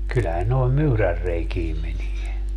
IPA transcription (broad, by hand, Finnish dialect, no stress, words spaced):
kylːæhæn noi̯m myːrærːeikiːm menie